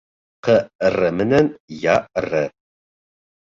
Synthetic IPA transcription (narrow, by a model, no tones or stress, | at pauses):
qərɐmɨnɐnjaːərɐ